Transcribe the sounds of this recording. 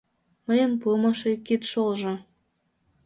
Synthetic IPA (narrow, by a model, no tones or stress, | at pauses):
məjə̆npuəmɑʃekːit̪ʃolʒɤ̆